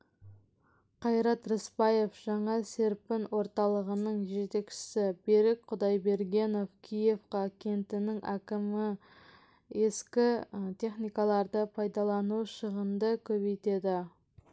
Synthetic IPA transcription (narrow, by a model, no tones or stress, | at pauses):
qʰɑjɾɑt̪ɾɪspɑje̞fʒ̥ɑɴɑse̞ɾpɪnwo̞ɾt̪ɑlˠəʁənəɴʒe̞t̪e̞kʃɪ̥sɪbeɾɪk̚qʰʊd̪ɑjbe̞ɾɡʲe̞no̞fkʲʰije̞fqɑkʲʰe̞nt̪ɪnɪŋækʲɪmɪ | e̞skʲɪt̪ʲʰe̞χnijkɑlˠɑɾd̪əpʰɑjd̪ɑlˠɑnuʃəʁənd̪əkʲʰɵbejt̪e̞d̪ɪ